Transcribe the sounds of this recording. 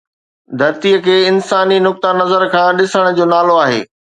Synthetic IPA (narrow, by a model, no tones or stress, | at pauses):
d̪ʱɐɾt̪iəkʰeːɪnsaːninʊk̚t̪anɐzəɾkʰãːɗɪsəɽ̃ʊ̆d͡ʑoːnaːloaːɦḛː